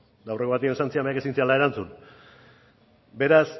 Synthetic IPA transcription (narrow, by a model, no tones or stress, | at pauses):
d̪awre̞koat̪iensant͡siamejake̞sint͡sealae̞ɾant͡sun | be̞ɾas